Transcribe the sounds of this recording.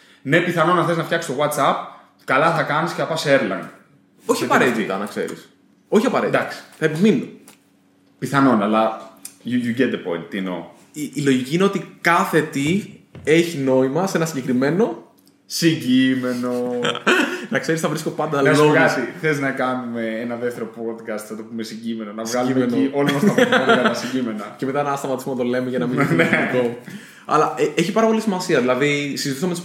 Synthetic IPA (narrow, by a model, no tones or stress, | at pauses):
ne̞piθɐno̞nɐθeznɐfçɐksi̥sto̞ɣwɐt̪sɐp̚ | kɐlɐθɐkɐnisceθɐpɐseɾlɐ̰in | o̞çiɐpɐɐɾet̪it̪ɐnɐkse̞̰ɾḭs | o̞çiɐpɐɾet̪d̪ɐksi̥θɐepimino | piθɐno̞nɐlɐjujuɟet̪̚ðepo̰jnt̪̚d̪ino̰ | iːlo̞ʝiciine̞o̞t̪ikɐθe̞t̪ie̞çino̞imɐse̞nɐsiɲɟe̞kɾime̞no̞ | siɲɟime̞no | nɐkse̞ɾisɐvɾisko̞pɐnd̪ɐlsoɣɐsiθeznɐkɐnume̞enɐðeft̪e̞ɾo̞pod̪kɐst̪θɐt̪o̞pumesiɲɟime̞nonɐvɣɐlumnioloɐsɐɐɐɐsiɟimenɐcemet̪ɐnɐst̪ɐmɐt̪isponɐt̪o̞le̞meʝɐnɐmieo | ɐ̰lɐeeçipɐɾɐpo̞lisimɐsiɐðilɐðisizit̪isɐmet̪us